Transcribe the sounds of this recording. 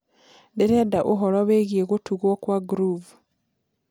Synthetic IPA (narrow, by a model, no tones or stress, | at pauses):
deɾedaʔuɦolaβeɣieɣotuɣokwaɡuɾuvu